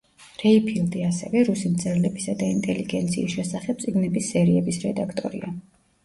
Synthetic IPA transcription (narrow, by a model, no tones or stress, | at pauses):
ɾɛipʰild̪iasɛvɛɾusimt̪sʰʼɛɾlɛbisad̪aint̪ʼɛliɡɛnt̪sʰḭːsʃɛsaχɛb̪̚sʼiɡnɛbisːɛɾiɛbisɾɛd̪akʰt̪ʼɔ̰ɾḭa